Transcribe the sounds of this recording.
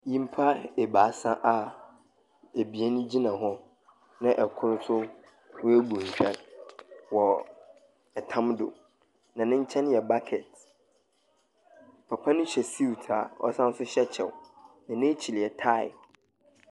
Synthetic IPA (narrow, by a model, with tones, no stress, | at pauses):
jĩ˦m̩˦pʰa˦e˨baː˨˦sã˦ʔa˨ | e˨bi˨e˦nʊ̃˦d͡ʑi˦nã˨ɦɔ̃˦ | nã˦ʔɛ˨kʰʊ˦ɾʊ˦sʊ˦ | wæ˦ɡũ˨ɲ̩˨ɕᶣɛ˦l | wɔ˨ | ɛ˨tʰã˦mdo̰˨ | nã˨nɪ̃˦ɲ̩˦t͡ɕʰɛ̃˦n˦jɛ˨ba˦kʰɛ˨t | pʰa˨pʰa˦nɪ̃˦ɕɛ˨si˦wtʰa˨ɔ̰˦sã˦n˦sʊ˦ɕɛ˦t͡ɕʰɛ˨w | nã˨nɪ̃˦t͡ɕʰi˨li˨ɛ˨tʰa˦ɪ̰˨